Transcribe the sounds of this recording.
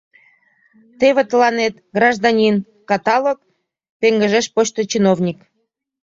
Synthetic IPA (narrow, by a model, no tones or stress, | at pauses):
t̪eβet̪əlɑnet̪ɡrɑʒd̪ɑnʲin | kɑt̪ɑlok̚ | peŋɡəʒeʃpot͡ɕt̪ot͡ɕinovnʲik